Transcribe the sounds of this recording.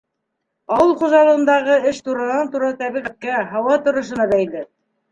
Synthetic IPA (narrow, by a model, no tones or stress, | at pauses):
ɑwɤlˠχŭʒɑlˠɤ̆ʁɤ̆nd̪ɑʁɤɘʃt̪uɾɑnɑnt̪uɾɑt̪æβiʁæt̪̚kæɦɑwɑt̪ŏɾŏʃ̬ɤ̆nɑbæjlɘ